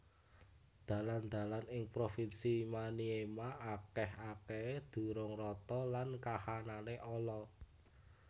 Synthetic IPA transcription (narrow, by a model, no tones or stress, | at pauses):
d̪̥ä̤land̪̥a̤lanɪŋpɾofinsimaniemaʔakɛɦaked̪̥ṳɾʊŋrɔt̪ɔlankahananeʔɔlɔ